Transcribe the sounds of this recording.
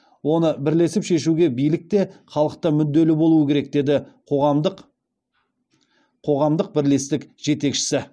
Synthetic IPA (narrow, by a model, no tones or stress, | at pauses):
wo̞nəbɪɾle̞sɪpʃe̞ʃuɡʲe̞bijlɪk̚t̪e̞χɑlˠəq̚t̪ɑmʏd̪d̪ːe̞lɪbo̞lˠuəkʲʰe̞ɾe̞k̚d̪e̞d̪ɪqʰoʁmd̪q | qʰo̞ʁɑmd̪əq̚bɪɾle̞st̪ɪkʒ̥e̞t̪e̞kʃɪ̥sɪ